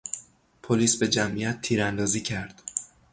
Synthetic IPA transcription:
pʰoliːsbe̞d͡ʒæmʔijæt̪̚ʰːiːɾænd̪ɒːziːcʰæɾd̪̥

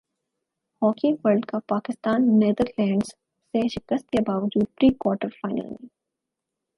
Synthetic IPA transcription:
hɔːkĩʋəɾlɖkapaːkɪst̪aːnːeːd̪əɾlɛ̃ːɳɖz | seʃɪkəst̪̚kebaːʋəd͡ʒuːd̪̚pɾiːkwɔːɾʈəɾfaɪna̰ːnĩ

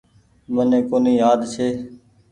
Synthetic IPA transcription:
mənẽːkoːniːjaːd̪t͡ʃʰeː

